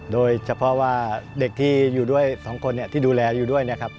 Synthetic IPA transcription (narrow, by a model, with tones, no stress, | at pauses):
doː˧jt͡ɕʰa˧pʰɔ˦˥waː˥˩de˨˩k̚t̪ʰiː˥˩juː˨˩du˥˩əjsɔː˩˦ŋkʰo˧nːi˥˩ɐt̪ʰiː˥˩duː˧lɛː˧juː˨˩du˥˩əjna˦˥˩kʰa˦˥p̚